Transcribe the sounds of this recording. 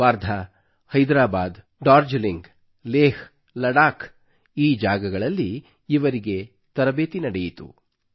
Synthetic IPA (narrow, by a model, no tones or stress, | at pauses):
ʋaːɾd̪ʱɐ | hɐjd̪ɾaːbaːd̪ | ɖaːɾd͡ʒliŋɡ | leːh | lɐɽaːk | iːd͡ʒaːɡɐɡɐɭɐlːiː | ʋɐɾiɡe̞ | t̪ɐɾɐbeːt̪inɐɽejit̪ṵ